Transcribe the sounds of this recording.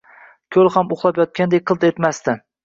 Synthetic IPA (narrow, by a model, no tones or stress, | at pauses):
kʲʰɵlˠhamoχlˠapjɒt̪̚kʲand̪ek̚ʲqʰɨlˠt̪et̪mast̪ɪ